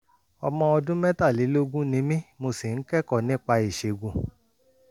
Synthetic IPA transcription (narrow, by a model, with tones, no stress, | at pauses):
ɔ̰˧mɔ̃˧ɔ˧dũ˦mɛ̃˦ta˦˨li˨˦lo˦ɡũ˦nĩ˧˦mĩ˦mo˧si˨n̩˦kɛ˦kɔ˦˨nĩ˦˨k͡pa˧i˨ʃe˨ɡũ˨